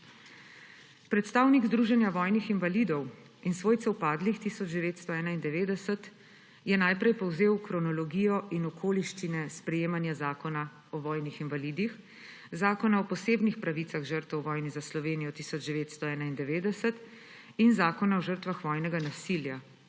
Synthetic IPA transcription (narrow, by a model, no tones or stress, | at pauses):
pɾɛt̪st̪aːwniɡzd̪ɾuːʒɛnjaʋɔːjnixinvalid̪ɔw | insʋoːjt̪sɛwpaːd̪lixt̪isɔd͡ʒd̪ɛʋeːt̪st̪ɔɛːnaind̪ɛʋeːd̪ɛsət̪ | jɛnaːjpɾɛjpɔwzeːwkɾɔnɔlɔɡiːjɔʔinɔkʰoːliʃt͡ʃinɛspɾɛjeːmanjazaːkɔna | ɔʋɔːjnixinʋalid̪ix | zaːkɔnaɔpɔseːbnixpɾaʋit̪saɣʒəɾt̪ɛwʋɔjnizaslɔʋeːnijɔt̪isɔd͡ʒd̪ɛʋeːt̪st̪ɔɛːnaind̪ɛʋeːd̪ɛsət̪ | inzaːkɔnaɔʒəɾt̪ʋaxʋɔːjnɛɡanasilja